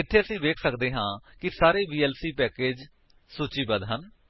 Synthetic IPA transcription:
ɪt̪ʰːeːəsĩːʋeːkʰsəkd̪eːɦãːkɪsaːɾeːbiːɛːlsiːpɛːkeːd͡ʒ | suːt͡ʃiːbəd̪ɦən

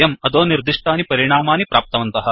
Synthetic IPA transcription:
jɐmɐd̪oːniɾd̪iʂʈaːnipɐɾiɳaːmaːnipɾʔaːp̚t̪ɐʋɐnt̪ɐɦɐ̆

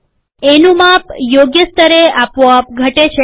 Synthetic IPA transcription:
enũmapjoɡjəst̪əɾeapʋoap̚ɡʱəʈet͡ʃʰe

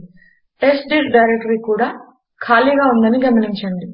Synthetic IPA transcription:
esɖiːɾɖɐjɾek̚ʈɐɾiːkuːɽaː | kʰaːliːɡaːund̪ɐniɡɐmɐniɲt͡ʃɐɳɖi

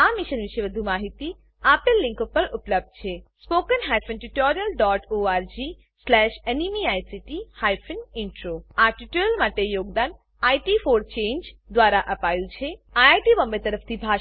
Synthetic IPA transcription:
amɪʃənʋɪʃeʋəd̪ʱumaːɦit̪i | apelːɪ̃ŋkopəɾʊpləb̚d̪̚t͡ʃʰespoːkənɦajpʰənʈuʈoɾijəlɖɔʈoaːɾd͡ʒi | slɛʃenimiajsiʈihajpʰənɪɳʈɾoaʈuʈoɾəlmaːʈejoːɡd̪an | ajʈifʰoːɾt͡ʃẽːnd͡ʒd̪ʋaːɾaʔəpajt͡ʃʰeaaʈibəmbet̪əɾəpʰt̪ʰibʱa

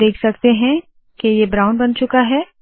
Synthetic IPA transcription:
eːkʰsɐkt̪eɦɛ̃ | kejebɾãːʊ̃nbɐnt͡ʃʊkaɦɛː

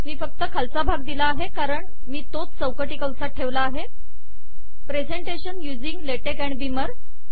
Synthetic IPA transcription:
miːfək̚t̪əkʰalt͡sabʱaɡd̪ilaːɦekaɾəɳ | miːt̪ot͡st͡səwkəʈiːkəwsaʈʰːeʋlaːɦe | pɾed͡zeɳʈeɕənjud͡ziŋɡleʈekæɳbiməɾ

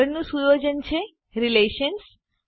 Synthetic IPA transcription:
əɾnũsujod͡ʑənt͡ɕʰe | ɾileʃəns

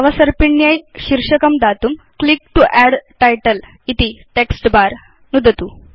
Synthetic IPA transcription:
ɐʋɐsɐɾpiɳjajɕiɾʂɐkɐmd̪aːt̪um | klikʈuʔɛɽʈajʈɐl | it̪iʈeksʈbaːɾ | nud̪ʱɐt̪u

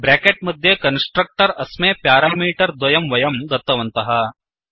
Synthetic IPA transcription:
bɾaːkeʈ̚mɐd̪ʱːjekɐnsʈɾɐk̚ʈɐɾɐsmeːpjaːɾaːmiːʈɐɾd̪ʋɐjɐmʋɐjɐmɡɐt̪ːɐʋɐnt̪ɐɦɐ

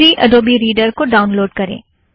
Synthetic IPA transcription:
ɾiʔɐ̰ɖoːbiɾiːɖəɾkoɖaːʊnloːɖkɐɾḛ̃ː

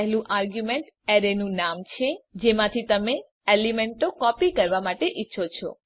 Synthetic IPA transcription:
ɦlũʔaɾɡjumeɳʈ | ɛɾenũnamt͡ʃʰed͡ʒemãt̪ʰit̪əme | elimeɳʈokɔpikəɾʋamaʈeʔitːʃʰot͡ʃʰɔ̰

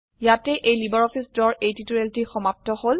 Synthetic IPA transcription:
jatɛʔejlibɔɹɔpʰisdɔɹejtituɹeltixɔmap̚tɔhol

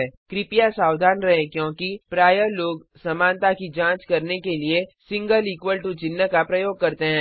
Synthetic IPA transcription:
ɛkɾɪpijasaːwd̪ʱaːnɾɐɦẽkjõːkipɾaːjəloːɡ | sɐmaːnt̪akid͡ʒãːt͡ʃkɐɾnekeliesɪ̃ŋɡəliːkʋəlʈut͡ʃɪnːəkapɾɐjoːɡ̚kɐɾt̪eɦɛ̃ː

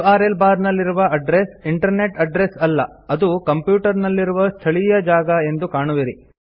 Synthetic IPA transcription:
aːɾelbaːɾnɐlːiɾuʋɐɐɖɾesiɳʈɐɾne̞ʈɐɖɾesɐlːɐɐd̪ukɐmpjuːʈɐɾnɐlːiɾuʋɐst̪ʰɐɭijɐd͡ʒaːɡɐe̞nd̪ukaːɳuʋiɾi

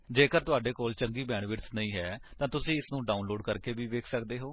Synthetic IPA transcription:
d͡ʒeːkəɾt̪ʊaːɖeːkoːlt͡ʃəŋɡiːbɛːɳʋɪɾt̪nəĩːɦɛːt̪ãːt̪ʊsĩːɪsnũːɖaːʊnloːɖkəɾkeːʋiːʋeːkʰsəkd̪eːɦoː

